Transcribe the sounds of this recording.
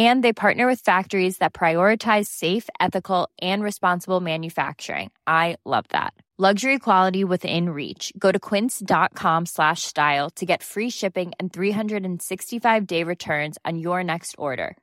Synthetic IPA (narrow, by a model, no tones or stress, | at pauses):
ɨ̃nðeɪpʰɑɹʔⁿnə˞wɨð̥fæk̚tə˞izðɨt̚pʰɹ̥aɪɔɹɨtʰaɪz̥seɪfɛθɨkl̩ˠʔɨ̃nɹɨspɑ̃nsəbl̩ˠmæ̃njɨfæ̰k̚t͡ʃə̰˞ɪ̰̃ŋʔaɪlʌ̰vðæ̰t̚ | lʌɡʒə˞ikʰw̥ɑlˠəɾiwɪðɪ̰̃nɹḭt͡ʃɡ̥oʊɾɨkʰw̥ɪ̃ntsd̥ɑt̚kʰɑ̃mslæʃstaɪlˠtʰɨɡɛtfɹiʃɪpɪ̃ŋɨ̃nθɹiɦʌ̃ndɹɨɾɨ̃n̩sɪkstifaɪvdeɪɹɨtʰɜ̃˞nz̃n̩jə˞nɛkstʰɔ̰ɹɾə̰˞